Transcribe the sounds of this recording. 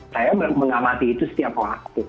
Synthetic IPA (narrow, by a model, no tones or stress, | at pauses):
sajaməməŋamat̪iːt̪usə̥t̪iapəwak̚t̪u